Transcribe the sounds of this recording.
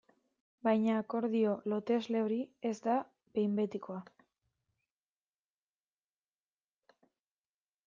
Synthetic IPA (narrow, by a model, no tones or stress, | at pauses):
bajɲaːko̞ɾðio̞lo̞t̪e̞zle̞o̞ɾie̞zd̪a | be̞jmbe̞t̪iko̞a